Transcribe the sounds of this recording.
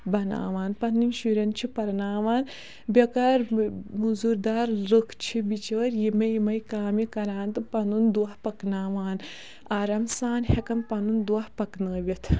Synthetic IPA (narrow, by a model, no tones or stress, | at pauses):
bɐna̰ːʋaːnpɐnːinʃuɾɐnt͡ʃʰipɐɾnaːʋaːn | bʲɐkaɾmuzuɾd̪aːɾlɨkʰt͡ʃʰibit͡ʃɐːɾjimɐjimɐjkaːmikɐɾãːnt̪ɨpɐnund̪uɐhpɐknaːʋaːn | aːɾɐmsaːnhekɐmpɐnund̪uɐhpɐknəːʋʲɐt̪ʰ